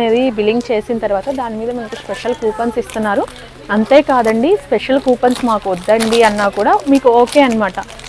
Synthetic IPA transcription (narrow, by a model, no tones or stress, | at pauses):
e̞ːd̪ibiliŋɡt͡ʃe̞ːsinɐt̪ɐɾuʋaːt̪ɐd̪aːnimiːd̪ɐmɐnɐkuspeʂɐlkuːpɐnsist̪unːaːɾu | ɐnt̪e̞ːkaːd̪ɐɳɖispeʂɐlkuːpɐnsmaːkuɔd̪ːɐɳɖiɐnːaːkuːɽaːmiːkuoːke̞ːɐnɐmaːʈɐ